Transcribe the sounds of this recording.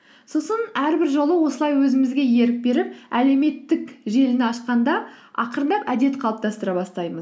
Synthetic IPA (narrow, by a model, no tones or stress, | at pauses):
so̞sənæɾbɪɾʒo̞lˠəwo̞səlˠɑjwɵzɪmɪzɡʲe̞je̞ɾɪk̚be̞ɾɪpæle̞me̞t̪ːɪkʒe̞lɪnɪɑʃqɑnd̪ɑ | ɑ̰qəɾənd̪ɑpæd̪e̞t̪qʰɑlˠəp̚t̪ɑst̪əɾɑbɑst̪ɑjməz